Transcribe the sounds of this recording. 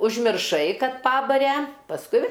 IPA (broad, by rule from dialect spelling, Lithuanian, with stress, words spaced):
ʊʒʲmʲɪrˈʃɐɪ ˈkɐt ˈpɑːbɐrʲɛ pɐsˈkʊɪ